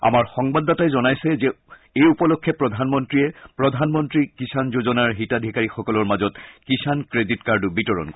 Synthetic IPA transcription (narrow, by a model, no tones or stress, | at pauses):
a̰maɹxɔŋbadːatajzɔnajsɛzɛ | ejupɔlokʰːɛpɹɔdʱanmɔntɹiɛpɹɔdʱanmɔntɹikisʰanzozɔnaɹɦitadʱikaɹixɔkɔlɔɹmazɔtkisʰankɹeditkaɹdʊbitɔɹɔ̰nkɔ